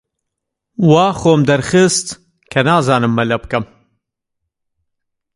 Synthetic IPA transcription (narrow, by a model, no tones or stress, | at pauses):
waːxoːmd̪ɐɾxɨst̪ | kʰɐnaːzaːnɨmːɐlɐbkɐm